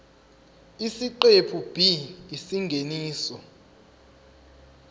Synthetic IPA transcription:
isiǃepʰub̥ʱiisiŋɡʱeniːsɔ

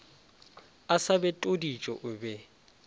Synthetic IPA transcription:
asabɛtʼodit͡ʃʼɔ̰ʔʊbɛ

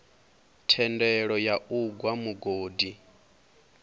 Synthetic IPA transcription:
tʰɛndɛɺɔjaʔuɡwamuɡoːdi

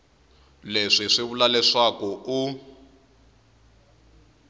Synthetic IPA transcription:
leʂiʂiβulalɛʂakɔʔu

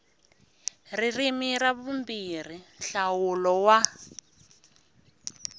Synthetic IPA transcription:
ririmiɾaβumbir̤inɬawulɔwa

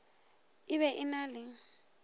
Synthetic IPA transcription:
ɪβɛʔɪnalɪŋ̩

